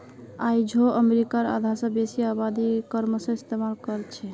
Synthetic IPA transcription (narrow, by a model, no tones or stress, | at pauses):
ajd͡ʒʱoəmeɾikaɾa̰d̪ʱasə̃besiabad̪ikəɾmsə̃ist̪emalkəɾt͡ʃʰɛ